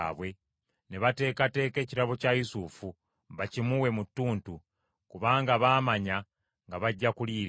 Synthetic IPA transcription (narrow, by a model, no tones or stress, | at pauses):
βwe̞ | ne̞βate̞ːkate̞ːke̞ːciɾaβo̞cajusufu | βacimuwe̞mutːuːntu | kuβaːŋɡaβaːmaɲa | ŋɡaβaɟːakuliːɾ